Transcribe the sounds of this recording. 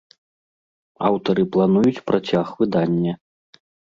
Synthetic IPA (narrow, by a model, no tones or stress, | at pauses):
a̰wt̪ɐɾɨplˠanujut͡sʲpɾʔat͡sʲaxvɨd̪anʲːɐ